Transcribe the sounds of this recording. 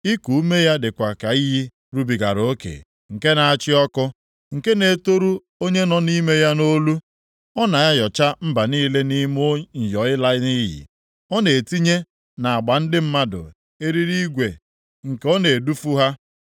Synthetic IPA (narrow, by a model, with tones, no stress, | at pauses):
i˦ku˨u˦me˦ja˦dɪ˨kʷa˨ka˨i˦ɦi˦ | ɾu˦bi˨ɡa̰˨ɾo˦kḛ˨ | ŋ̩˨ke˦na˨a˨t͡ʃɪ˦ɔ˦kʊ˦ | ŋ̩˨ke˦ne˨to˦ɾu˦ | o˦ɲe˦nɔ˨ni˦me˦ja˦no˦lu˦ | ɔ˦na˨ja˦jɔ˨t͡ʃa˦m̩˦ba˨niː˦le˦ni˦mo˦ɲ̩˨jɔ˨ɪ˦la˦ɪ˦ni˦jḭ˨ | ɔ˦ne˨e˨ti˦ɲe˦ | na˨a˨ɡ͡ba˨n̩˦dɪ˦m̩˦ma˦dʊ̰˨ | e˦ɾi˦ɾi˦ɡʷe˨ | ŋ̩˨ke˨ɔ˦ne˨du˦fu˦ɦa˦